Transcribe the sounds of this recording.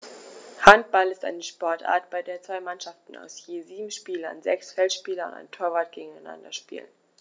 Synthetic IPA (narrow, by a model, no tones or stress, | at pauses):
hant̚b̥alɪsta̰ɪnəʃpɔɐtʔa̰ːɐtb̥aɪdeːɐt͡sv̥aɪmanʃaftn̩a̰ʊsjeːziːbm̩ʃpiːlɐ̰nzɛ̰ksfɛltʃpiːlɐʊ̰nta̰ɪntʰoːɐvaːt̚ɡ̥eːɡŋ̩aɪna̰ndɐ̰ʃpḭːlə̰n